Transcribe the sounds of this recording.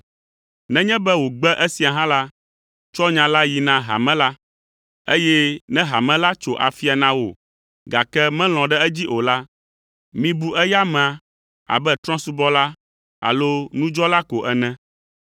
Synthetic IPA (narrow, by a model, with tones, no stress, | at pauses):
nɛ̃˦ɲɛ̃˦bɛ˦wo˨ɡ͡bɛ˦ʔɛ˦si˨a˨ɦã˦la˦ | t͡ʃɔ˦ɲã˨la˦ji˨nã˦ɦa̰˨mɛ̃˦la˦ | ḛ˦jɛ˦nɛ̃˦ɦa˨mɛ̃˦la˦t͡ʃo˨ʔa̰˨fi˦a˨nã˨wo̰˨ | ɡa˨kɛ˦mɛ̃˦l̃ɔ̃˨ɖɛ˦ɛ˦d͡ʑi˦ʔo˨la˦ | mĩ˦bu˦ɛ˦ja˦mɛ̃˨ã˨ | a̰˨bɛ˦t̪ɾɔ̃˦su˦bɔ˦la˦ | a̰˨lo˦nũ˦d͡ʒɔ˦la˦ko˨ʔɛ˨nɛ̃˦